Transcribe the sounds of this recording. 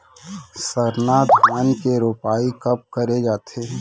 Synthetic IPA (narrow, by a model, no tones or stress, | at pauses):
səɾnaːt̪bənkeɾoːpaːikɐp̚kəɾed͡ʒaːt̪ʰeː